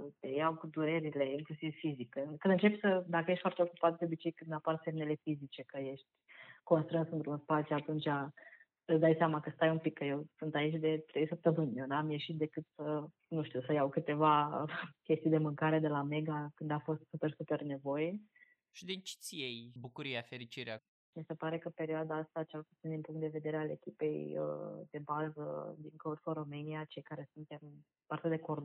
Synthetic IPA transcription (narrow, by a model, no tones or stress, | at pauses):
t̪ejawkud̪uɾe̞ɾile̞iŋklusivfizikkɨnd̪ɨnt͡ʃepsəd̪akəjeʃt̪fwart̪eokupat̪̚d̪eobit͡ʃe̞jkɨnd̪aparse̞mne̞le̞fizit͡ʃe̞kəje̞ʃt̪ʲko̞nst̪ɾɨnsɨnt̪ɾunspat̪sjuat̪unt͡ʃa | ɨsd̪ajseamakəst̪ajumpikːəje̞wsunt̪ait͡ʃʲd̪e̞t̪ɾejsəp̚t̪əmɨnʲjewnamje̞ʃit̪̚d̪e̞kɨt̪sə | nuʃt̪iusəjawkɨt̪e̞vakʲe̞st̪ijd̪e̞mɨŋkaɾe̞d̪e̞lame̞ɡakɨnd̪afo̞st̪supe̞rsupe̞rne̞vo̞je̞ | ʃid̪et͡ʃi̥t̪sʲjejbukuɾiafeɾit͡ʃiɾea | mise̞paɾe̞kəpe̞ɾioad̪aast̪at͡ʃelpu̥t̪sind̪inmpuŋkt̪d̪e̞ve̞d̪e̞ɾeale̞̰kʲipe̞jə̰d̪̥e̞bazəd̪iŋkorsoɾomɨniat͡ʃe̞jkaɾe̞sunt̪e̞m | part̪ed̪ekor